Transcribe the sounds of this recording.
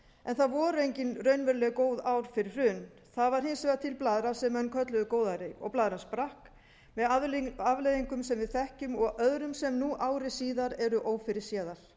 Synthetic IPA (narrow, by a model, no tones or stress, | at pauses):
ʔɛnθaðvɔːɾʏejɲcɪnrœːɥnvɛɾlɛɣkoːwðaːwɾ̥fɪɾɪ̥r̥ʏn | θaðvaɾ̥hɪnsvɛːðat̪ʰɪlplaːðɾasɛmːœnːkʰœt̪lʏðʏkoːwðaɾɪɔ̰ɣplaːðɾanspɾahk | mɛðaavlejðiŋkʏmsɛmvɪðθɛhcʏmɔɣœðɾʏmsɛmnuʔaːwɾɪsiːðaɾɛɾʏʔoːwfɪɾɪɾ̥sjɛːðaɾ̥